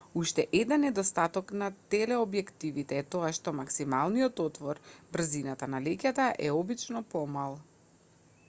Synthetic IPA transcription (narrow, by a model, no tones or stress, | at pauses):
uʃt̪ɛʔɛd̪ɛnːɛd̪ɔst̪at̪ɔknat̪ɛlɛɔbjɛkt̪ivit̪ɛːt̪ɔaʃt̪ɔmaksimalˠnijɔt̪ɔt̪vɔɾbr̩zinat̪analɛcʲat̪aʔɛɔbit͡ʃnɔpɔmalˠ